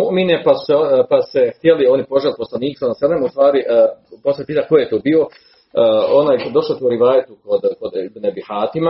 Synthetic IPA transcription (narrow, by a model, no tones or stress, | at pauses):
uʔminepasu̥sepase̞xt̪jelio̞nipo̞ʒeliposlˠaniːksonaselemaust̪ʋaːɾiʔposepiːt̪akojejet̪oːbiːo̞ | onaːjd̪o̞ʃlot̪uuɾiʋaːjet̪ukod̪kod̪ibnebihaːt̪ima